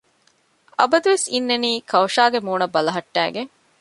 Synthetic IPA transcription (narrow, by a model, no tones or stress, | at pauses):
ʔɐbɐd̪uʋesinːeniːkʰɐwɐʃaːɡemuːnɐbːɐlɐɦɐʈːæ̰ːɡeŋ